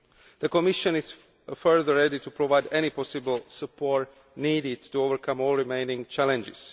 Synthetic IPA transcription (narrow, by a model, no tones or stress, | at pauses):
ðəkɔmɪʃə̃nɪz̥ | fɜ˞ðə˞ːɛditupʰɹɔvaɪdɛnipʰɔsɪbəl̩ˠsəpʰɔt | niːdɪd̚tuovə˞kʰãmɔːlˠɹimẽɪ̃nɪ̃ŋt͡ʃælɛ̃nd͡ʒɪ̰z̥